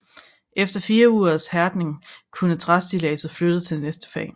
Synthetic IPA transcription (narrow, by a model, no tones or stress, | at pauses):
ʔefd̥ɐfiːɐuːɐðˠshæɐd̥ne̝ŋkʰunət͡sʰʁasd̥ilɛːsɐflød̥ət͡sʰe̝lnesd̥ə̥fɛ̰ː